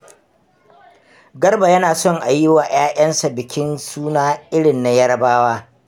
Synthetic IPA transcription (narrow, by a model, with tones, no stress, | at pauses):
ɡɐ˦rba˨jɐ˦naː˨sɔ˦ŋʔa˨jɪ˦waː˨j̰aː˦ʔɐ˦nsa˨bɪ˨kʲɪ˦nsuː˦naː˦ʔɪ˦ɽɪ˨nːa˦jɐ˦ɽɐ˦baː˦waː˦